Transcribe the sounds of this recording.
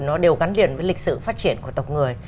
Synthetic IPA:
nɔ˨˦ɗe˨˩wɣa˨˦nlḭ˧˨ənvəː˨˦lï˨˩k̚sɨ̰˧˨faː˦˥t̚t͡ɕi˧˩ənku˧˩ət̪ə˨˩wk͡p̚ŋɨ˨˩əj

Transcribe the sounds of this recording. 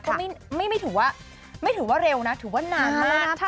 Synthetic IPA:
kɔː˥˩ma˥˩jma˥˩jma˥˩jt̪ʰɯː˩˦waː˥˩ | ma˥˩jt̪ʰɯː˩˦waː˥˩ɾe˧wna˦˥t̪ʰɯː˨˩˦waː˥˩naː˧˩˧a˦˧˥

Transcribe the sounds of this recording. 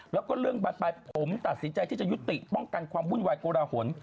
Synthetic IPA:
lɛː˦˥wkɔː˥˩ɾɯ˥˩əŋbaː˨˩baː˧jpʰo˩˦mt̪a˨˩t̪̚si˨˩˦nt͡ɕa˧jt̪ʰiː˥˩t͡ɕa˨˩ju˦˥t̪i˨˩ʔpɔ˥˩ŋka˧nkʰwaː˧mːu˥˩nwaː˧jkoː˧ɾaː˧ho˩˦ən

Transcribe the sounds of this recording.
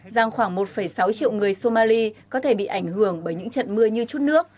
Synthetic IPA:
zaː˧ŋxwaː˧˩ŋmo˨˩t̚fə˧˩jsa˨˦wt͡ɕḭ˧˨əwŋɨ˨˩əjso˧maː˧li˧kɔ˨˦t̪ʰe˧˩ɓḭ˧˨ʔa˧˩ŋ̟hɨ˧˩əŋɓəː˧˩jɲɨ̰˧˥ŋt͡ɕə̰˧˨nmɨ˧əɲɨ˧t͡ɕu˦˥t̚nɨ˦˥ək̚

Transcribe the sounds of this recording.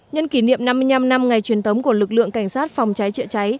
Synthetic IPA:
ɲə˧nki˧˩nḭ˧˨əmna˧mːɨ˧əjɲna˧mna˧mŋa˨˩jt͡ɕwi˨˩ənt̪ʰə˨˦wŋ͡mku˧˩əlɨ˨˩k̚lɨ̰˧˨əŋka˧˩jŋ̟saː˦˥t̚fwŋ͡mt͡ɕa˨˦jt͡ɕə̰˧˨t͡ɕa˨˦j

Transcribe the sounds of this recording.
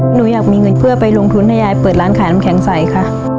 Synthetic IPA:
nuː˩˦jaː˨˩k̚miː˧ŋɤ˧npʰɯ˥˩ɐpa˧jlo˧ŋt̪ʰu˧nt̪ʰa˧jaː˧jpɤː˨˩t̪̚ɾaː˦˥nkʰaː˨˩˦na˦˧˥mkʰɛ˩˦ŋsa˨˩jkʰa˥˩ʔ

